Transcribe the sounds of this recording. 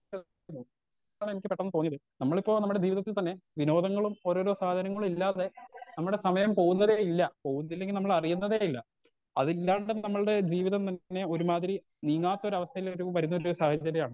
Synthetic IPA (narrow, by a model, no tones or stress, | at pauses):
nuː | ɭemikʲːɨpeʈːɐnɨt̪oːɲːɐðɨnɐmːɐɭipːo̞ːnɐmːuɽe̞d͡ʑiːʋiðɐt̪ːilt̪ɐnːe̞ʋino̞ːd̪ɐŋːɐɭumo̞ːɾo̞ːɾo̞ːsaːd̪ʱɐɾɐŋːɐɭumilːaːðe̞nɐmːuɽe̞sɐmɐjɐmpo̞ːunːɐðejilːɐpo̞ːɣːunːɐilːeŋɡilnɐmːɐɭɐrijunːɐðeːjilːɐ | ɐðilːaːɳɖɨnɐmːɐɭɽe̞d͡ʑiːʋiðɐmt̪ɐnːe̞o̞ɾumaːðiɾi | niːŋaːt̪ːɐo̞ɾɐʋɐst̪ʰɐjilo̞ɾuʋɐɾunːɐooɾsaːhɐt͡ɕjɐɾɐjaːɳɨ